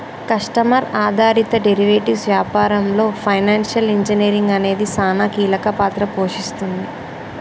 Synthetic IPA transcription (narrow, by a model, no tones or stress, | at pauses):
kɐʂʈɐmɐɾaːd̪ʱaːɾit̪ɐɖeɾiʋeːʈisʋjaːpaːɾɐmlo̞ːpʰɐjnaːnʂɐliɲd͡ʒiniːɾiŋɡɐne̞ːd̪isaːnakiːlɐkɐpaːt̪ɾɐpo̞ːʂist̪und̪i